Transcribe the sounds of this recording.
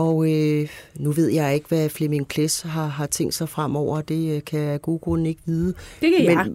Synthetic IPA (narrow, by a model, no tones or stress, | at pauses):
ɒ̽ʊønuʋe̝ð̞̰ˠjɑ̈ɪe̝ɡ̥əʋæflemeŋpʰlesɦɑ̈ɦɑ̈t͡sʰeŋ̰d̥sɑ̈ɪfʁam̰ɒʊ̰ɐd̥e̝kʰæɡ̥o̝ːɡ̥oln̩e̝ɡ̥ʋiːðˠədmme